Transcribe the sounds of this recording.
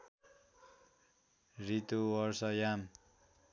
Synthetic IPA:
rit̪uwʌɾsʌjam

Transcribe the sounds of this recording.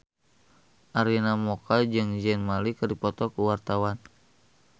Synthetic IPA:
ʔaɾinamɔkad͡ʒɨŋd͡ʒɛnmalikɨdipɔt̪ɔkuwart̪awan

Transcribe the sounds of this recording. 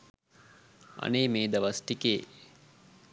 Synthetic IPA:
ɐ̰neːmeːd̪ɐʋɐsʈikeː

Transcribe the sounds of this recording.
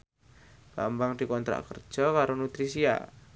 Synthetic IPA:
b̥ambaŋd̪̥i̤kɔnt̪ɾa̰ʔkərd̥ʒ̥ɔ̤kaɾonut̪ɾisia̰

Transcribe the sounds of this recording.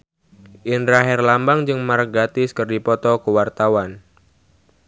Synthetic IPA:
ʔindɾaɦɛrlambaŋd͡ʒɨŋmarkɡat̪ɪskɨrdipɔt̪ɔkəwart̪awan

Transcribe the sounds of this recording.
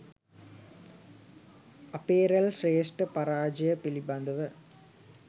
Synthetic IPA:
ɐpeːɾɐlseːsʈɨpɐɾaːd͡ʒɐjɐpilibɐnd̪ɐʋɨ

